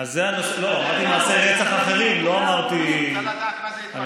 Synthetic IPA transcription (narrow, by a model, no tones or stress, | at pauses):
azeanaʃloamaʁt̪inaːseʁet͡saχaχe̞ʁimlo̞amaʁt̪i | an